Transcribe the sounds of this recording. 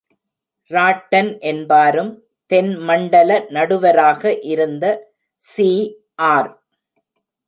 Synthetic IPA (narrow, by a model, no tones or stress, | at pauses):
ɾaːʈːɐnʔɛnbaːɾɯm | t̪ɛnmɐɳɖɐlɐnɐɽɯʋɐɾaːɣɐʔɪɾɯnd̪ɐ | siː | ʔaːɾ